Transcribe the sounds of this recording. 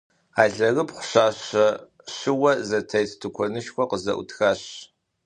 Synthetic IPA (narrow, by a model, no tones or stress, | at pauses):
aːɮɐɣɨpχʷʊɕaːɕɐ | ɕɪwɐzɐtʰɐjtʰtʰukʷʰɔnɨʃxʷɔqəzɐ̰ʔṵtʰxaːɕ